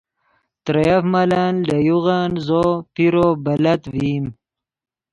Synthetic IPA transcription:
t̪ɾejafmalanlajuɣanzoːpiɾobɐlɐt̪vim

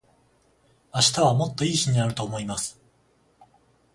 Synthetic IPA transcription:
aɕi̥t̪aβ̞amo̞t̪ːo̞iːɕiɲ̟inaɾɯ̟t̪o̞ːmo̞imasɨ̥

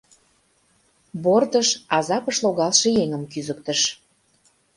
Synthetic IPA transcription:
bort̪əʃɑzɑpəʃloɣɑlʃĕjeŋəmkyzək̚t̪ə̆ʃ

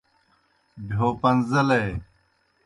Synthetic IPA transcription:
bʱoːpɐnzɐleː

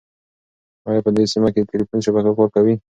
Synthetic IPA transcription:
ɑjɑpəd̪esimaked̪ət̪elifunʃabakakoɾkawi

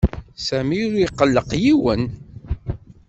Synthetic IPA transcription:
sæmiʊɾiqːəlːəqjiwən

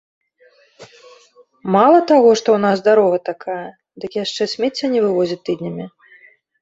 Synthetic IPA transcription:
malˠɐt̪aɣɔʂt̪ɔwnasd̪aɾɔɣɐt̪akʰajɐ | d̪ɨkjaʂt͡ʂɛsʲmʲɛt͡sʲːɐnʲɛvɨvɔzʲit̪ːɨd̪ʲnʲɐmʲi

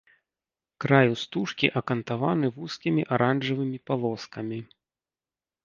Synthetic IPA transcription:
kɾajust̪uʂkʲiʔɐkɐnt̪avanɨvuskʲimʲiʔaɾanʐɐvɨmʲipalˠɔskɐmʲi

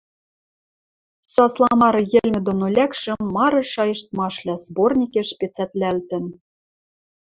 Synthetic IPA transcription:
sɑslˠɑmɑɾɤ̆jɘ̆lʲmʲɘ̆d̪onolʲækʃɘ̆ːɑɾɤ̆ʃɑjɤ̆ʃt̪mɑʃlʲæzbornʲikʲeʃpʲet͡sæt̪lʲælt̪ɘ̆n

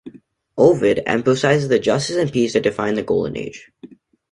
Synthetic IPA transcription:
ʔoʊvɪɾæ̰̃ɱfəsaɪzɨzðɨd͡ʒʌstɨsɨ̃npisðɨt̚d̥ɨfãɪ̃nðɨɡoʊlˠd̃ⁿnḛɪd̥ʒ̥

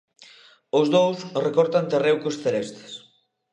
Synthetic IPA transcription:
ozðowsrekɔɾt̪ant̪erewkosθelest̪e̥s

